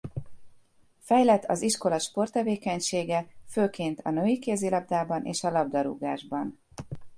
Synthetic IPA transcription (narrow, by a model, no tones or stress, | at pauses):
fɛjlɛt̪ʰːɒ̰ziʃko̞lɒʃpo̞rt̪ːɛveːkɛɲʃeːɡɛføːkeːnt̪ʰɒ̰nøikeːzilɒb̚d̪aːbɒnʔḛːʃɒlɒbd̪ɒɾṵɡa̰ːʒbɒn